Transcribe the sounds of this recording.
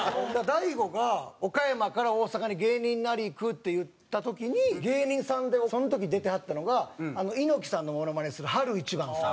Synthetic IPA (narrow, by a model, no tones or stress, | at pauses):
d̪ad̪aiɡo̞ɡao̞kajamakaɾao̞ːsakaɲ̟iɡe̞ːɲ̟ĩnːnːaɾʲiːkɯ̟t̪ːe̞jɯ̟tt̪ːat̪o̞kʲiɲ̟iɡe̞ːɲ̟ĩɰ̃sãnd̪e̞so̞not̪o̞kʲiɲid̪e̞t̪e̞hat̪ːano̞ɡaːno̞ino̞kʲi̥sãnːo̞mo̞no̞maɾeɲisɨɾɯ̟ɦaɾɯ̟it͡ɕibãnd̪s